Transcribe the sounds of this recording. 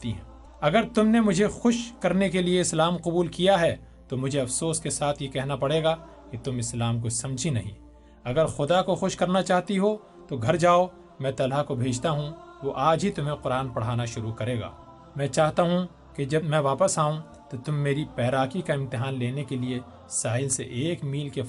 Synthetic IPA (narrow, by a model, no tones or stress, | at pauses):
t̪iɦɛ̰̃ː | ɐɡəɾt̪ʊmnemʊd͡ʒʱexʊʃkɐɾnekelieɪslaːmqʊbuːlkijaɦɛː | t̪omʊd͡ʒʱeɐfsoːskesaːt̪ʰjekɛɦnapɐɽ̤eːɡa | ket̪ʊmɪslaːmk̬osɐ̃md͡ʒʱinɐɦḭ̃ | ɐɡəɾxʊd̪akoxʊʃkɐɾnat͡ʃaːɦt̪iɦo | t̪oɡʱɐɾd͡ʒaːo | mɛ̃ːt̪ɐlɦakobʱeːd͡ʒt̪aɦũʋoʔaːd͡ʒɦit̪ʊmɦẽqʊɾaːnpɐɽ̤aːnaʃʊɾukɐɾeːɡa̰ː | mɛ̃ːt͡ʃaːɦt̪aɦũ | ked͡ʒɐbmɛ̃ːʋaːpəsaːũ | t̪ot̪ʊmːeːɾipɛːɾaːkikaɪ̃mt̪ɪɦaːnleːnekelie | saːɦɪlseʔeːkmiːlke